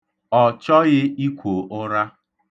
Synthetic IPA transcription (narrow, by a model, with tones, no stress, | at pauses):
ɔ˨t͡ʃɔ˦ɣɪ˦i˦kʷo˨ʔʊ˦ɾa˦